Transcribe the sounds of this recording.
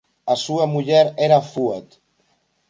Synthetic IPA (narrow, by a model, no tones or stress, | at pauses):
asuamuʎɛɾɛɾafuet̪